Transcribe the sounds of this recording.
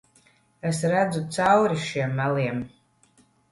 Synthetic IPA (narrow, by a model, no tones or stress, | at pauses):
esrad͡zut͡sʰawɾiʃiɛmːaliɛm